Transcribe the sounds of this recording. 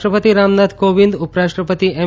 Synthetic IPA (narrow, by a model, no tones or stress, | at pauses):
ʈɾəpət̪iɾamnad̪koʋind̪upɾaʃʈɾəpət̪ie